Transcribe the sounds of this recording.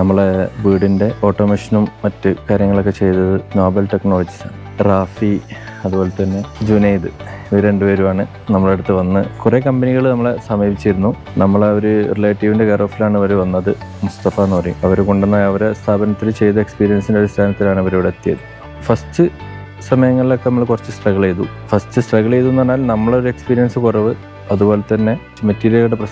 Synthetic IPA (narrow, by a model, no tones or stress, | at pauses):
nɐmːɐɭebiːɽinde̞ʔo̞ːʈːomeːʂɐnumːɐtːɨkaːɾjɐŋːɐɭo̞kːet͡ɕe̞jt̪ɐðɨno̞ːbɐlʈe̞kno̞ːɭɐd͡ʑi̥sa̰ːɳ | raːfi | ɐðuboːlet̪ɐnːe̞d͡ʑunejd̪ɨiɾe̞ɳɖɨpeːɾumaːɳɨ | nɐmːɐɭeɽut̪ːɨʋɐnːɨkurekɐmbeniɣɐɭnɐmːɐɭesɐmibit͡ɕːijiɾunːu | nɐmːɐɭeoɾurileːʈːiʋinde̞ɡɐro̞ːfilaːɳɨʋɐɾuʋɐnːɐðɨmust̪ɐfanoːrḭɐʋɐɾko̞ɳɖunːaːjɐʋɐɾest̪ʰaːbɐnɐt̪ːilt͡ɕe̞jt̪ɐekspiːɾijɐnsindeɾist̪ʰaːnɐt̪ːilaːɳɨɐʋɐɾejuɽɐt̪ːijɐðɨ | fɐstɨ | sɐmɐjɐŋːɐɭilo̞kːenɐmːɐɭkurɐt͡ɕːɨsʈrɐɣɐɭejðu | fɐstɨsʈrɐɣɐɭejðunːɐnːaːlnɐmːɐɭo̞ɾue̞kspiːɾijɐnsɨkurɐʋɨ | ɐðubo̞ːlet̪ːɐnːe̞ | metːiːɾijɐuɽeprɐ